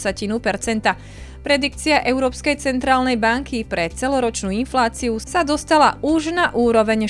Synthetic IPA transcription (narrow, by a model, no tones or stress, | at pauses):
sacinupɛɾt͡sɛnt̪a | pɾɛd̪ikt͡siaʔɛʊɾɔːpskɛjt͡sɛnt̪ɾaːlnɛjbaŋkʰipɾɛt͡sɛlɔɾɔt͡ʃnuːinflaːt͡siusad̪ɔst̪ala̰uʒnaʔuːɾɔʋɛɲ